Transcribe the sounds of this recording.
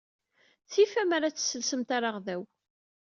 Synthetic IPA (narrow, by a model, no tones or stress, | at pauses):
θifæmaɾat͡sːsːəlsəmt̪aɾaʁðæw